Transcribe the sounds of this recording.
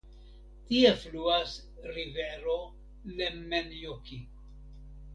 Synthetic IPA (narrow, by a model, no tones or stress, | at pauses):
tiefluas | ɾiveɾo | lemenjoki